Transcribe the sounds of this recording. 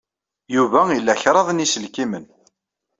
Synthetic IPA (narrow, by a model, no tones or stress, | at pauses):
juvæilːæçɾˤɑðˤnisəlkimən